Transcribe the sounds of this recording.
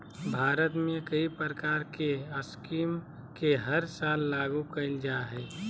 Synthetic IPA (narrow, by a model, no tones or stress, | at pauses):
bʱaːɾət̪mẽkəipɾɾəkaːɾkeəskiːm | keɦəɾsaːlːaːɡukənd͡ʒaɦɛː